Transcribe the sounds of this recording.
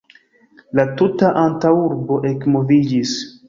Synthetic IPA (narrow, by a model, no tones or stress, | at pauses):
latutaʔantauɾbo̞ʔe̞kmo̞vid͡ʒis